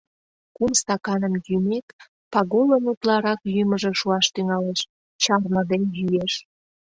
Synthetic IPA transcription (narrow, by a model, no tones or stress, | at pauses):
kumst̪ɑkɑnəmjymek̪ | pɑɣolənut̪lɑɾɑkjyməʒeʃuɑʃt̪yŋɑleʃ | t͡ɕɑrməd̪enjyjeʃ